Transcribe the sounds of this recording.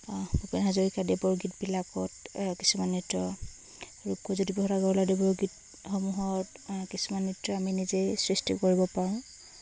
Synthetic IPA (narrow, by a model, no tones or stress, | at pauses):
bupinɦazoɹikadɛbɔɹɡit̚bilakɔtki̥sumanːitɔ | ɹukɔzodibɔɦɔɾaɡaladɛbɔɹɡit | xɔmuɦɔt | kisumanːitɔaminizesɹistḭkoɹibɔpaɹʊ̃